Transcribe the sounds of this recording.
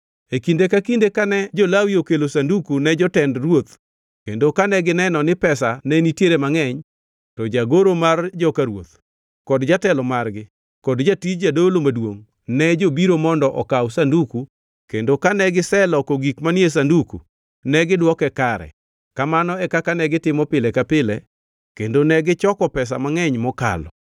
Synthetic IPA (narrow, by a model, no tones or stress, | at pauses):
ekindekakindekanɛd͡ʒolawiokelosandukunɛd͡ʒɔtɛndrwot̪ | kendokanɛɡɪnɛnɔnɪpɛsanɛnitjeɾemaŋɛɲ | tɔd͡ʒaɡoɾomard͡ʒɔkaɾwo̰t̪ | kɔdd͡ʒatɛlɔmarɡɪ | kɔdd͡ʒatid͡ʒadolomadwo̰ŋ | nɛd͡ʒobiɾomɔndɔʔɔkawsanduku | kendokanɛɡɪsɛlɔkoɡikmanjes̬andukṵ | nɛɡɪdwɔkɛkaɾɛ̰ | kamanɔɛkakanɛɡɪtɪmɔpɪlɛkapɪlɛ | kendonɛɡɪt͡ʃɔkɔpɛs̬a̰maŋɛɲmɔka̰lɔ̰